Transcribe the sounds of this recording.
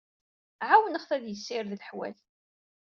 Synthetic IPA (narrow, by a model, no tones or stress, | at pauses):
ʕawənəχθæðjəsːɪɾðləħwæ̰l